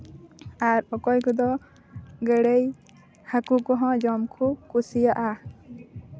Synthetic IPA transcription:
aɾɔkɔjkud̪ɔ | ɡəɽej | hakukɔɦɔ̃d͡ʒɔmkʰukusijaʔa

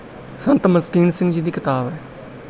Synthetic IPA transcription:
sənt̪məskiːnsɪ̃ŋɡd͡ʒiːd̪iːkɪt̪aːbɛː

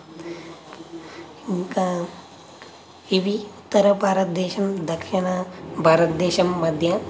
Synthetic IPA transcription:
iŋka | iʋiut̪ːɐɾɐbʱaːɾɐt̪̚d̪eːʃɐnd̪ɐkʃinɐbʱaːɾɐt̪d̪eːʃɐmːɐd̪ʱjɐ

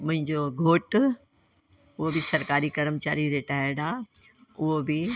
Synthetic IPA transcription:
mʊ̃ɦɪ̃ɲd͡ʑoɡʱoːʈ | ʊɦobɪsɐɾkaːɾikɐɾəmət͡ɕaːɾiɾeʈaːɪɾɽãːʊɦobɪ

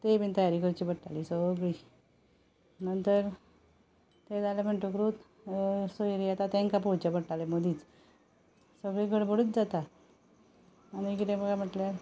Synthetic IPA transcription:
t̪ebint̪əjaɾikəɾt͡ɕiːbəʈʈːaliːsəɡɭiː | nənt̪əɾ | t̪ed͡zalam̤əɳʈokɾut̪ | soiɾiat̪at̪ɛ̃ŋkapot͡ɕabəɽʈalemod̪iːt͡s | səɡɭikəɽbʱəɽut̪̚d͡zat̪a | añikit̪ẽbəɡam̤əʈlja

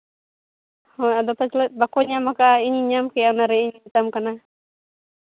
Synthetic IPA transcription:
hɔad̪ɔt̪at͡ʃlɛbakɔɲamakaiɲiɲamkɛjanaɾɛiɲit̪amkana

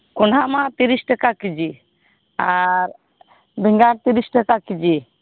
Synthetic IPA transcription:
kɔɳɖamat̪iɾisʈakakid͡ʒi | aɾ | bʱiŋɡaɾt̪iɾisʈakakid͡ʒi

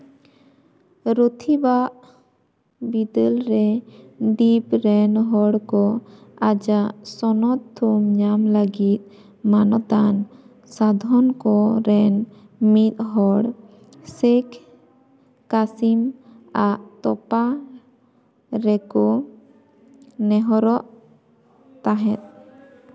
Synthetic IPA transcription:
ɾot̪ʰibaʔ | bid̪əlɾɛɖipɾɛnɦɔɽkɔad͡ʒaʔsɔnɔt̪ʰːumɲamləɡit̪̚ | manɔt̪an | sad̪ʱɔnkɔɾɛn | mit̪̚ɦɔɽ | sɛkʰ | kasim | aʔt̪ɔpa | ɾɛkɔ | nɛɦɔɾɔʔ | t̪aɦɛt̪̚

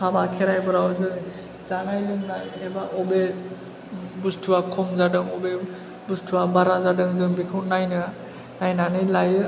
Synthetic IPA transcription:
pʰabakʰeɾajbɯɾawzɯŋ | zaŋajlɯŋnajebaʔɔbe | bustʰuakʰɔmzadɯŋɔbe | bustʰuwabaɾazadɯŋzɯŋbikʰɯwnajnɯ | najnanɯlajɯ

